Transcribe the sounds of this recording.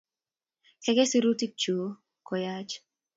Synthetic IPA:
kɛ˦ɡɛ˦si˦ɾu˦ti˦k̚t͡ʃu˨˦ | kɔ˨jat͡ʃ

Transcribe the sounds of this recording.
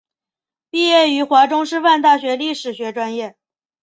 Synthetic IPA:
pi˥˧jɛ˥˩y˧˥xwa˧˥ʈ͡ʂʊ˥ŋʂɻ̩˥fa˥˧nt̪a˥˩ɕɥɛ˧˥li˥˩ʂɻ̩˨˩ɕɥɛ˧˥ʈ͡ʂwa˥njɛ˥˩

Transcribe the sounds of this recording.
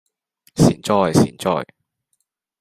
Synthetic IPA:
sḭː˨˩nt͡ʃɔː˧˩jsḭː˨˩nt͡ʃɔ̰ː˧˩j

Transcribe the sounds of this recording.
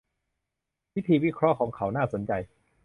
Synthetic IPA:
wi˦˥t̪ʰiː˧wi˦˥kʰɾɔ˦˥ʔkʰɔː˩˦ŋkʰa˩˦wnaː˥˩so˩˦nt͡ɕa˧j

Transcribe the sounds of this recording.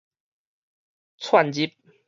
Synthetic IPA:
t͡sʰwa˥˨nd͡ʑi˦˥p̚

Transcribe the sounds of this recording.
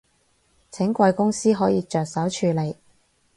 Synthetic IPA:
t͡sʰɪ˨˥ŋkʷɐ˧jkʊ˥ŋsiː˥ɦɔː˨˥jiː˧t͡ʃœː˨k̚sɐ˨˥wt͡ʃʰyː˨˧le˨˩j

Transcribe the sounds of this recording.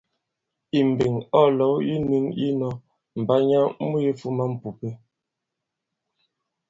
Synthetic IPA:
i˨m̩˨be˨ŋɔ˦˨lɔ˨˦wi˦nʉ˦ŋi˦nɔ˦ | m̩˨ba˦ɲa˦mu˦je˦fu˦ma˦m̩˨pu˨pe˦

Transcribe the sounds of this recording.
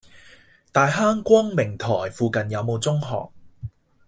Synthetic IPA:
t̪aː˨˧jɦaː˥ŋkʷɔː˥ŋmɪ˨˩ŋt̪ʰɔː˨˩jfuː˨kɐ˨njɐ˨˧wmo˨˧wt͡sʊ˥ŋɦɔ̰ː˨k̚

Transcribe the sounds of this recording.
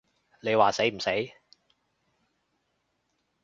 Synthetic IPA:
le˨˧jwaː˨˩se˨˥jm̩˨˩se˨˥j

